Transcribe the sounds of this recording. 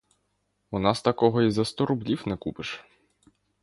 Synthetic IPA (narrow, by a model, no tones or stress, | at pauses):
unɑst̪ɐkɔɦɔizɐst̪ɔɾʊblʲiwnɛkupɪʃ